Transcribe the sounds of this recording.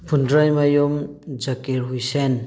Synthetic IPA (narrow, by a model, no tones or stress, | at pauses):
pʰundɾajmajomd͡ʒʌkeɾɦujsen